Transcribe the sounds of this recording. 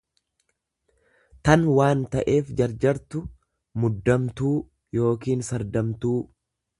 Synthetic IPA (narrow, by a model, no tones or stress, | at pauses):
t̪ɐnwaːnt̪ɐʔe̞ːfd͡ʒɐɾd͡ʒɐɾt̪ʊ | mʊd̪ːɐmt̪uː | jo̞ːkiːnsɐɾd̪ɐmt̪uː